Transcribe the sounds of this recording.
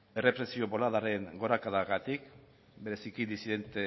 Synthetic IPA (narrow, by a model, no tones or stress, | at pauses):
e̞re̞pɾe̞sio̞βo̞laðaɾe̞ŋɡo̞ɾakaðaɣat̪ik | be̞ɾe̞sikid̪isiðe̞nt̪e